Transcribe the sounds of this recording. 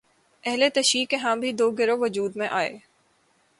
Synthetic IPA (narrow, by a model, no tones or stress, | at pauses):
ɛɦlet̪ɐʃɾiːkeɦãːbʱid̪oːɡɪɾoʋɐd͡ʒuːd̪mẽʔaːḛː